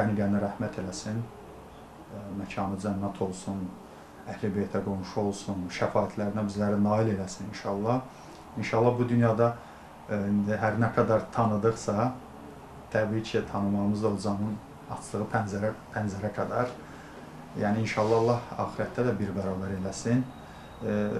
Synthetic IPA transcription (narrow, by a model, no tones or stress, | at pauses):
æmiɡæɾnæɾæhmæt̪ʰe̞læsin | mæcʰɑːnɯd͡ʒænːæt̪ʰo̞lˠsun | æhlibejt̪ʰæɡo̞nʃuo̞lˠsunʃæfɑːit̪ʰlæɾinæbizlæɾinɑːile̞læsininʃɑlˠːɑh | inʃɑlˠːɑhbud̪ynjɑd̪ɑ | ind̪iɦæɾnækʰæd̪ɑɾt̪ʰɑnɯd̪ɯχsɑ | t̪ʰæbiːcʰit̪ʰɑnɯmɑʁɯmɯzd̪ɑozɑmɯn | ɑ̰t͡ʃʰlˠɯʁɯpʰænzæɾæpʰænzæɾækʰæd̪ɑɾ | jæːniinʃɑlˠːɑlˠːɑhɑ̰ːxiɾæt̪ːæd̪æbiɾbæɾɑːbæɾe̞læsin